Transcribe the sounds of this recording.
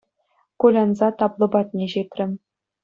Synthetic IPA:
kulʲɑnzɑt̪ɑplˠɤ̆bɑt̪nʲeʑet̪ʲrʲɘ̆m

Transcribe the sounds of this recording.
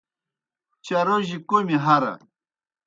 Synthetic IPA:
t͡ɕaɾoʑikomiɦaɾɐ̰

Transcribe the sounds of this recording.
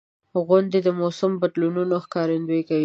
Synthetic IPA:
ɣʊnd̪ed̪əmosambad̪lununoxkɑɾɪnd̪ojkawi

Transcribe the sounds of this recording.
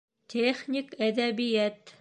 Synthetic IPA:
t̪ʲʰeχnʲikæðæβijæt̪

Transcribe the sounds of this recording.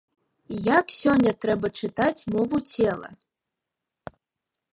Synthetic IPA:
jaksʲɔnʲːɐt̪ɾɛbɐt͡ʂɨt̪at͡sʲmɔvut͡sʲʰelˠɐ̰

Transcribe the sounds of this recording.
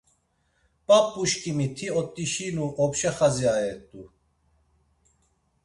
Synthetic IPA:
pʼapʼːuʃkʼimit̪ʰiɔt̪ʼːiʃinuʔɔpʃɛχaziaɛt̪ʼu

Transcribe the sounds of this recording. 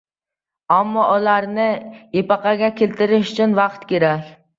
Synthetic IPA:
ɑmːɑʔulˠɑɾnɨjepɑqɑɡʲɛkʲʰelt̪ɪɾɪʃyt͡ʃʰynwɑqt̪kʲeɾɛkʲ

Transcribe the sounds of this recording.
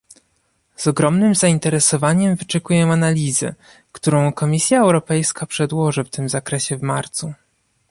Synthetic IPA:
zɔɡɾɔmnɘmzaint̪ɛɾɛsɔvaɲɛmvɘt͡ʂɛkujɛ̃analʲizɘ̰ | kt̪uɾɔ̃w̃kɔmʲisʲjaɛwɾɔpɛjskapʂɛd̪wɔʐɘft̪ɘmzakɾɛɕɛvmaɾt̪su

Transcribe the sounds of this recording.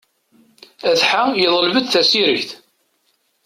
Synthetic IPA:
æθħajəðˤəlvəd̪θæsiɾiçθ

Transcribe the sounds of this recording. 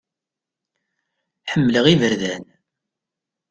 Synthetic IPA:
ħəmːləʁivəɾðæn

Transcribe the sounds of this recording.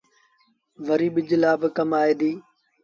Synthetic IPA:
ʋəɾiːɓɪd͡ʒlaːbɪkəmaːeːd̪iː

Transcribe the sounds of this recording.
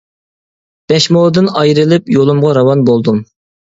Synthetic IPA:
b̥ɛʃmolˠd̪ɨnɑjɾɨlˠɪpjolˠumʁɑɾɑwɑnbolˠd̪um

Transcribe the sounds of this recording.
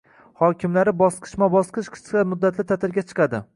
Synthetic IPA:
hɒkʲʰɪmlaɾɪbɒsqʰɨ̥ʃmabɒsqʰɨʃqʰɨ̥sʲɑmʊd̪ːat̪lɪt̪ʰat̪ʰɪɾɡʲat͡ʃʰɨ̥qʰɑd̪ɪ̰

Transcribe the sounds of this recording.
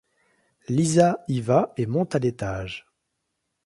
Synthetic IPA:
lizaivaemɔ̃t̪alet̪aːʒ

